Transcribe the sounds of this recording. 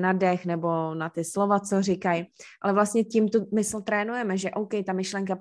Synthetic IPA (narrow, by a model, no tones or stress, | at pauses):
nadɛxnɛbonat̪ɪslovat͡sorɪkajʔalɛvlast̪ɲɛcimt̪umɪsl̩t̪ɾɛːnujɛmɛʒɛʔowkɛjt̪amɪʃlɛŋka